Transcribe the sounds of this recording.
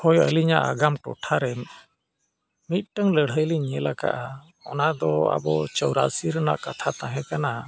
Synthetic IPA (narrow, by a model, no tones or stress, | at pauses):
hɔjɔʔə̰liɲaʔaɡamʈɔ̰ʈʰaɾɛm | mit̪̚ˀʈəŋləɽ̤əjliɲɛlaka̰ʔa | ɔnad̪ɔa̰bɔt͡ʃɔwɾasiɾəna̰ʔkat̪ʰat̪ãɦɛ̃kana